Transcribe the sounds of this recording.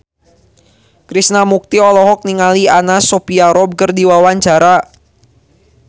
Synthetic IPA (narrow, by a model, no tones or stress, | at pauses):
kɾisnamuk̚t̪iɔlɔɦɔk̚niŋalianasopiaɾɔb̚kərdiwawaɲt͡ʃaɾa